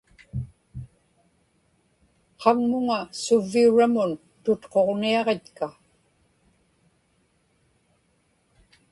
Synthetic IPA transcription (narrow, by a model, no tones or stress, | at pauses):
qʰɑŋmʊŋasʊvːiuɻamʊn | t̪ʊt̪qo̞ʁniɑʁe̞t̪ka